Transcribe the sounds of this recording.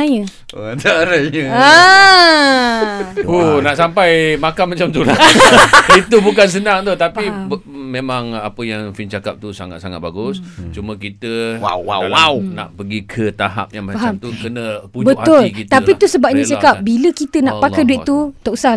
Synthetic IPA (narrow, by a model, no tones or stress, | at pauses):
ajə | ataɾaɲəə | unaʔsampajmakanmat͡ʃamt̪ula | it̪ubukans̬ənaŋt̪ut̪apibmẽmaŋapəjaŋfint͡ʃaka̰p̚t̪usa̰ŋa̰t̪̚saŋat̪̚baɡʊst͡ʃumə̃kit̪əwa̰wa̰wawna̰ʔpəɡikʰət̪aɦa̰p̚jaŋmat͡ʃaɦamt̪ukənəpud͡ʒbəʔthaʊlikit̪t̪apit̪usəbap̚ɲat͡ʃakap̚biləkit̪ənaʔpakajduɪt̪ut̪ɔʔusa